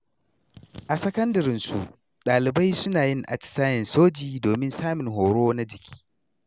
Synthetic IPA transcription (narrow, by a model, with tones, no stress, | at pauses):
ʔa˨sɐ˦kɐ˦ndɐ˨ɾɪ˦nsu˨ʔ | ɗaː˨lɪ˨ba˦jsʊ˦naː˨jɪ˦ŋʔa̰˨t͡ʃɪ̥˨saː˦jɛ˨nsoː˦d͡ʒiː˨doː˨mɪ˦nsaː˦mɪ˨ŋɦoː˨ɽoː˦na˦d͡ʒɪ˨kʲʰi̥ː˦